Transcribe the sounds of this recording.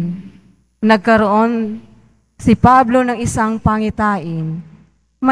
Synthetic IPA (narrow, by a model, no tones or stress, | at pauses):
nɐɡ̚kɐɾoʔo̞n | sɪpablo̞nɐŋɪsaŋpɐŋɪt̪aːʔɪn | mɐ